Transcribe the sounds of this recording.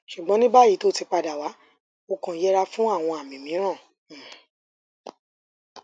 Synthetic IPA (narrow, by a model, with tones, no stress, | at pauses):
ʃu˨ɡ͡bɔ̃˨˦nĩ˦ba˦ji˨˦to˦˨ti˧k͡pa˧da˨wa˨˦ | o˧kã˧˦jɛ˦ɾa˧fũ˦a˦˨w̃ɔ̃˧a˨mĩ˨mĩ˨˦ɾ̃ã˦˨